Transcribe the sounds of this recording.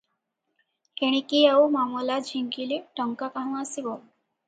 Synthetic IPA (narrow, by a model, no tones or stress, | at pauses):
heɽ̃ikiəwmamɔlad͡ʑʱiŋkiliʈɔŋkakaɦasibɔ